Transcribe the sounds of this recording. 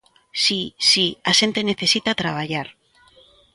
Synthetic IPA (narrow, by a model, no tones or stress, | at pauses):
sisiase̞nt̪ene̞θe̞sit̪at̪ɾaβaʝaɾ